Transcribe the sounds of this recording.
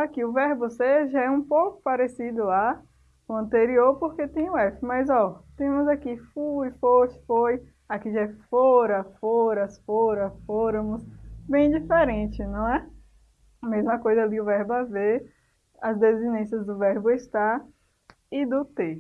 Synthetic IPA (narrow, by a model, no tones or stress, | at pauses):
akiʊvɛɾbʊseʒaɛũpowkʊ̥paɾesid̪ʊla | ʊɐ̃t̪eɾioɾpoɾket̪ẽj̃ʊɛfɪmɐjzɔt̪ẽmʊzakifuifoʃfoj | akiʒaɛfoɾɐfoɾɐsfoɾɐfoɾɐ̃mʊsbẽj̃d͡ʒifeɾẽt͡ʃɪnɐ̃w̃ɛ | mezmɐkojzɐaliʊvɛɾbɐve | ɐzd̪ezinẽsjɐzd̪ʊvɛɾbʊeʃt̪a | ɪd̪ʊt̪e